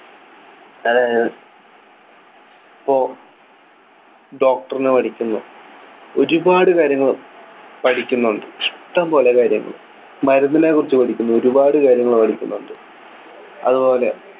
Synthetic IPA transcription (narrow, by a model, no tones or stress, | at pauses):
ɐðaːjɐð | ipːoː | ɖo̞ːk̚ʈɐrinɨpɐʈʰikʲːunːṵ | o̞ɾubaːɽɨkaːɾjɐŋːɐɭpɐʈʰikʲːunːuɳɖɨʂt̪ːampo̞ːlekaːɾjɐŋːɐ̰ɭ | mɐɾunːɐneːkːurit͡ɕːupɐʈʰikʲːunːuoɾubaːɽɨkaːɾjɐŋːɐɭpɐʈʰikʲːunːuɳɖɨ | ɐ̰ðubo̞ːle̞